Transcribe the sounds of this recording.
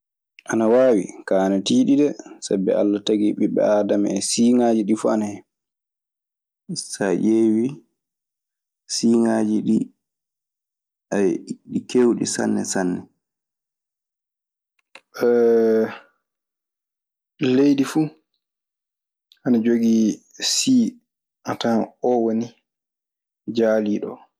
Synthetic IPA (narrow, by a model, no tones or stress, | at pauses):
ʔanawaːwḭkaanatiːɗiɗɛsabɛ̰a̰lːataɡiɓiɓɛ̰aːdamaɛsiːŋaːd͡ʒiɗifua̰nahɛ | isaʔeːwi | siːŋaːd͡ʒiɗi | ʔaɗikewɗḭsa̰nːɛ̰sanːɛ | ɛ | lejdifu | ʔanad͡ʒoɡi | siː | ʔataɔwoni | d͡ʒaliːɗɔ̰